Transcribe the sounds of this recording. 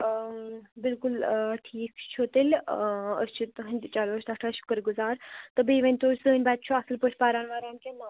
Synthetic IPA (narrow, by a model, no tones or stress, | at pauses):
bilkulʈʰiːkt͡ʃʰut̪əlʲə̰st͡ʃʰut̪ɦɐnʲd̪ʲt͡ʃaːloːsʰʲt̪ɐʈʰaɐsʃu̥kəɾɡuzaːɾt̪ɨbeːʋɐnʲt̪oːɾʲsəːnʲbaːt̪̚t͡ʃʰuɐsɨlpəʈʲʰpaːɾaːnʋaːɾaːnkʲema